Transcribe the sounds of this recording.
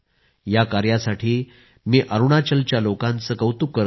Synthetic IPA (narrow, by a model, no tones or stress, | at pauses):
jakaɾjasaʈʰiː | miːʔəɾuɽ̃at͡ɕəlt͡ɕjalokãnt͡səːkəwt̪ukːəɾ